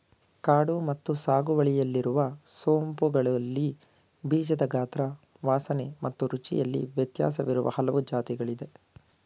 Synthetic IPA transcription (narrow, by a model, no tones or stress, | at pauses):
kaːɽumɐt̪ːusaːɡuʋɐɭijɐlːiɾuʋɐsoːmpuɡɐɭɐlːi | biːd͡ʒɐd̪ɐɡaːt̪ɾɐ | ʋaːsɐnemɐt̪ːuɾut͡ʃḭjɐlːḭʋjɐt̪ja̰ːs̬ɐʋiɾuʋɐ̰hɐlɐʋud͡ʒaːt̪iɡɐɭid̪e̞